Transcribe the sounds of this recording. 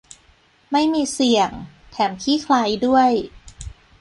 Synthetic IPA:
ma˥˩jmiː˧si˨˩əŋ | t̪ʰɛː˩˦mkʰiː˥˩kʰla˧˥jdu˥˩əj

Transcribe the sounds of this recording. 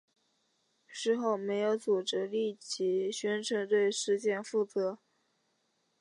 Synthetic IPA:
ʂɻ̩˥˧xo˥˩ʊme˧˥ɪjo˧˥ʊt͡su˨˩ʈ͡ʂɻ̩˧˥li˥˩t͡ɕʰi˧˥ɕɥɛ˥nʈ͡ʂʰɤ˧˥ŋt̪we˥˧ɪʂɻ̩˥˧ɕjɛ˥˧nfu˥˩t͡sɤ˧˥

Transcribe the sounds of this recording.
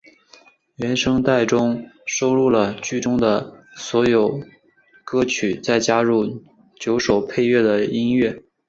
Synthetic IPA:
ɥɛ˧˥nʂɤ˥ŋt̪a˥˩ɪʈ͡ʂʊ˥ŋʂo˥ʊɻu˥˩lə˩t͡ɕy˥˩ʈ͡ʂʊ˥ŋd̪ə˨swɔ˧˥jo˨˩˦ʊ | kɤ˥t͡ɕʰy˨˩t͡sa˥˩ɪt͡ɕja˥ɻu˥˩ | t͡ɕjo˧˥ʊʂo˨˩ʊpʰe˥˧ɪɥɛ˥˩d̪ə˩i˥nɥɛ˥˩

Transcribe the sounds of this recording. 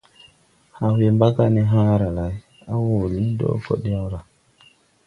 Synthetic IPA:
ha˨we˨mba˦ka˦ni˦ɦã˦ɾa˨la˨˦j | a˦wo˨li˦do̰˦ko̰˨ɗi˦ja˦wɾa˨

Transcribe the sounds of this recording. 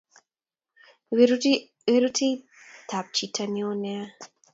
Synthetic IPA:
we˦ɾu˦tʰi˦ | tʰa˨p̚t͡ʃi˨tʰa˨ni˦o˦nɛa˦

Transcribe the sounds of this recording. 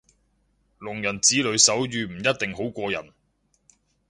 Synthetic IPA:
lʊ˨˩ŋjɐ˨˩nt͡siː˨˥lɵ˨˧˥ɥsɐ˨˥wjyː˨m̩˨˩jɐ˥t̚t̪ɪ˨ŋɦo˨˥wkʷɔː˧jɐ̰˨˩n

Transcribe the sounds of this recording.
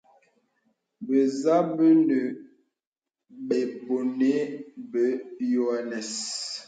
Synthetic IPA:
bə˨za˦bə˦nə˨ | ɓe˨bo˨ne˦bə˨˦jo˨a˨nɛ˨s

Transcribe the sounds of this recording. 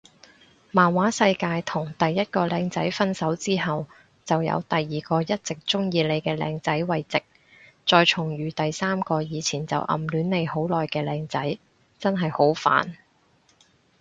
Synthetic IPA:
maː˨˩nwaː˨˥sɐ˧jkaː˧jt̪ʰʊ˨˩ŋt̪ɐ˨jːɐ˥t̚kɔː˧lɛː˧ŋt͡sɐ˨˥jfɐ˥nsɐ˨˥wt͡siː˥ɦɐ˨w | t͡sɐ˨wjɐ̰˧wt̪ɐ˨jːiː˨˩kɔː˧jɐ˥t̚t͡sɪ˨k̚t͡ʃʊ˥ŋjiː˧le˨˧jkɛː˧lɛ̰ː˧ŋt͡sɐ˨˥jwɐ˨jt͡sɪ˨k̚ | t͡ʃɔː˧jt͡ʃʰʊ˨˩ŋɥyː˨t̪ɐ˨jsaː˥mkɔː˧jiː˨˧t͡sʰiː˨˩nt͡sɐ̰˨wʔɐ̰˨˩mlyː˨˥nle˨˧jho˨˥wlɔː˨jkɛː˧lɛː˧ŋt͡sɐ˨˥j | t͡sɐ˥nɦɐ˨jho˨˥wfa̰ː˨n

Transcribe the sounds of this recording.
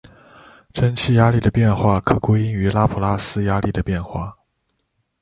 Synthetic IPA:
ʈ͡ʂʰə˥nt͡ɕʰi˥˩ja˥li˥˩d̪ə˩pjɛ˥˧nxwa˥˩kʰɤ˨˩kwe˥ɪi˥ŋy˧˥la˥pʰu˨˩la˥sɹ̩˥ja˥li˥˩d̪ə˩pjɛ˥˧nxwa̰˥˩

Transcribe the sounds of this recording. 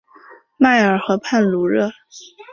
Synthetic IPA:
ma˥˩ɪə˞˨˩xɤ˧˥pʰa˥˩nlu˧˥ɻɤ˥˩

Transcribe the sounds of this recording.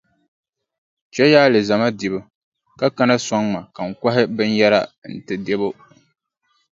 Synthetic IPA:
t͡ʃɛ˦jaː˦lɨ˨za˨ma˦di˨bɨ˦ | ka˦ka˦na˦sɔ˦ŋma˨ka˨ŋ̩˨kʷa˦ɦɪ˦bɨ˦n˦jɛ˦la˦n̩˨tɨ˨de˦bo˦

